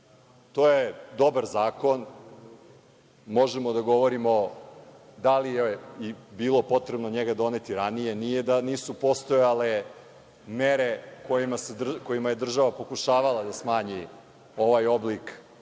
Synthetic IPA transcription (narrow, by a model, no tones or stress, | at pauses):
t̪ojed̪o̞baɾzaːko̞n | mo̞ʒemo̞d̪aɡo̞ʋo̞ɾimo̞ | d̪alijeibiːlˠo̞po̞t̪ɾebnoɲeɡad̪o̞net̪iɾanijenijed̪aniːsupo̞st̪ojale | meɾekojimaserko̞jimaje̞d̪r̩ʒaʋapo̞kuʃaːʋalˠad̪asmaːɲi | o̞ʋajo̞blik